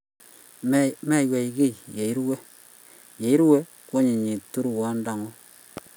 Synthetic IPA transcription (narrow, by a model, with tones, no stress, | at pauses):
mɛ˦˨we˨i˨ke˦jje˨i˦ɾwe˦ | je˨i˦ɾwe˦ | ko˦ɲi˨ɲi˨tu˦ɾwa˦nda˨ŋo˦